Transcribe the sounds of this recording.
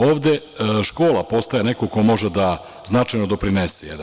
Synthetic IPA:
o̞ːʋd̪e̞ʃko̞ːlˠapo̞st̪ajene̞ko̞ko̞mo̞ʒed̪a | znat͡ʃajnod̪o̞pɾinesejḛd̪a

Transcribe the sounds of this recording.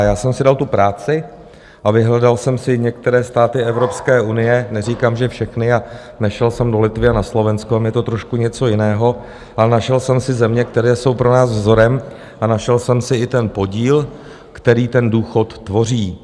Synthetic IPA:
jaːsɛmsɪdalt̪upɾaːt͡sɪ | ʔavɪɦlɛdalsɛmsɪɲɛk̚t̪ɛɾɛːst̪aːt̪ɪɛvɾo̞pskɛːʔunɪjɛnɛriːkaːmʒɛfʃɛxnɪa | nɛʃɛlsɛmdo̞lɪt̪vɪanaslo̞vɛnskoamjɛt̪o̞t̪ɾo̞ʃkuɲɛt͡so̞jɪnɛːɦo̞ | ʔalɛnaʃɛlsɛmsɪzɛmɲɛk̚t̪ɛɾɛːso̞wpɾonaːzvzo̞ɾɛm | ʔanaʃɛlsɛmsɪɪt̪ɛnpo̞ɟiːl | kt̪ɛɾiːt̪ɛnduːxo̞t̪ːvo̞r̝iː

